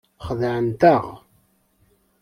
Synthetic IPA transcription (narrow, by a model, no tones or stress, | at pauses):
χəðʕənt̪əʁ